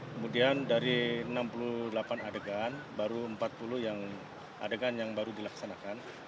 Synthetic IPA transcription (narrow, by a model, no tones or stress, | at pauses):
kəmudiandaɾiənampuludəlapanadəɡanbaɾuəmpat̪̚puluhjaŋ | ʔa̰dəɡanjaŋbaɾudilaksanakan